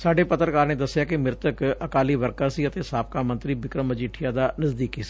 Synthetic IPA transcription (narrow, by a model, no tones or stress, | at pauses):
saːɖeːpət̪ɾəkaːɾneːd̪əsːɪjaːkɪmɪɾt̪əkəkaːliːʋəɾkəɾsiːət̪eːsaːp̚kaːmə̃nt̪ɾiːbɪkɾəməd͡ʒiːʈʰɪjaːd̪aːnəzd̪iːkiːsi̥ː